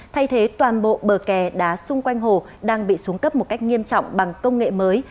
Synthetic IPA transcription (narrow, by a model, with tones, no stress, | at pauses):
t̪ʰa˧jt̪ʰe˨˦t̪waː˨˩nɓo̰˧˨ɓəː˨˩kɛ˨˩ɗa̰ː˨˦sʊ˧ŋ͡mkwa˧jŋ̟ɦo˨˩ | ɗaː˧ŋɓḭ˧˨su˨˦əŋkə˦˥p̚mo˨˩t̚ka˦˥jk̚ŋi˧əmt͡ɕɔ̰˧˨wŋ͡mɓa˨˩ŋkə˧wŋ͡mŋḛ˧˨məː˨˦j